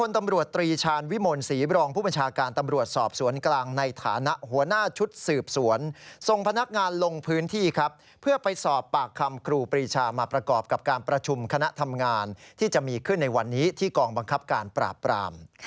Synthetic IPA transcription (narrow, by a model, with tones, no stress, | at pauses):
kʰo˧nt̪a˧mɾu˨˩ət̪ːɾiː˧t͡ɕʰaː˧nwi˦˥moː˧nsiː˩˦ɾɔː˧ŋpʰuː˥˩ba˧nt͡ɕʰaː˧kaː˧nt̪a˧mɾu˨˩ət̪̚sɔː˨˩p̚su˩˦ənklaː˧ŋna˧jt̪ʰa̰ː˩˦na˦˥ʔɦu˩˦ɐnaː˥˩t͡ɕʰu˦˥t̪̚sɯː˨˩p̚su˩˦ənso˨˩ŋpʰa˧na˦˥k̚ŋaː˧nlo˧ŋpʰɯː˦˥nt̪ʰiː˥˩kʰa˦˥p̚ʰːɯ˥˩ɐpa˧jsɔː˨˩pːaː˨˩kʰːa˧mkʰɾuː˧pɾiː˧t͡ɕʰaː˧maː˧pɾa˧kɔː˨˩p̚ka˨˩p̚kaː˧npɾa˧t͡ɕʰu˧mkʰa˧na˦˥ʔt̪ʰa˧mŋaː˧nt̪ʰiː˥˩t͡ɕa˨˩ʔmiː˧kʰɯ˥˩nːa˧jwa˧nːiː˦˥t̪ʰiː˥˩kɔː˧ŋba˧ŋkʰa˦˥p̚kaː˧npɾa̰ː˨˩pːɾa̰ː˧m